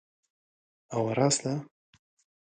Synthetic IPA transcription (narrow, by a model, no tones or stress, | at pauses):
awaɾɑsla